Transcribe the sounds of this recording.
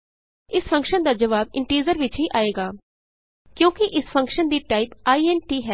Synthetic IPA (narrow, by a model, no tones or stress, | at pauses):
ɪsfʰə̃ŋkʃənd̪aːd͡ʒəʋaːbɪɳʈiːd͡ʒəɾʋɪt͡ʃɦiːʔaːeːɡaː | kjõːkɪʔɪspʰə̃ŋkʃənd̪iːʈaːɪpaːiːɛnʈiːɦɛː